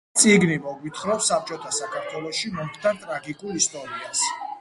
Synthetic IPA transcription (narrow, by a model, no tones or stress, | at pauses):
t̪sʼiɡnimɔɡit̪ʰχɾɔpsap̚t͡ʃʼɔt̪ʰasakʰaɾt̪ʰwɛlˠɔʃimɔmχt̪ʰaɾt̪ʼɾaɡikʼulˠist̪ʼɔɾias